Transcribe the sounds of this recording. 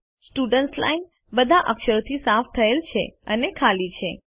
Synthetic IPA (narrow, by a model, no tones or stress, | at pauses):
sʈuɖəɳʈsla̰in | bəd̪ʱaʔəkʃəɾt̪ʰisaft̪ʰəelt͡ʃʰḛənekʰalit͡ʃʰe